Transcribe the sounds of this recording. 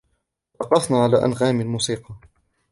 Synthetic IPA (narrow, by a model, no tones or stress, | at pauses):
lɑqɑθnaːʕalaːʔa̰nɣaːmalmuːsiːqɑ